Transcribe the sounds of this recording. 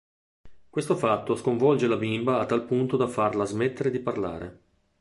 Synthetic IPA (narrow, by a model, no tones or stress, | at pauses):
kwest̪ofat̪ːoskoɱvɔld͡ʒelabimbaːt̪ːalpunt̪od̪afarlazmet̪ːeɾed̪iparla̰ːɾḛ